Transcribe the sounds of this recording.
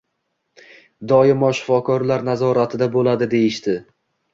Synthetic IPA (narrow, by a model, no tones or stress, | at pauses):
d̪ɒjɪmɒʃɪ̥fɒkʰɒɾlaɾnazɒɾat̪ʰɪd̪abolad̪ɪd̪e̞jɪʃt̪ɪ